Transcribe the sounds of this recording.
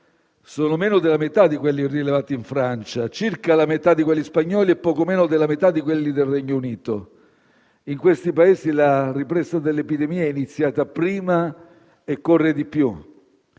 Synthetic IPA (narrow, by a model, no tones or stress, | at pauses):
soːnomeːnod̪elamet̪ad̪ːikwelːirilevaːt̪iiɱfɾant͡ʃat͡ʃirkalamet̪ad̪ːikwelːispaɲːɔːliɛpːɔːkomɛːnod̪elːamet̪ad̪ːikwelːid̪elrɛɲːouniːt̪o̰ | iŋkwest̪ipaeːzilaripɾɛzad̪elːepid̪emiːaɛinit̪sːjaːt̪apɾiːma | ekːorːed̪ipju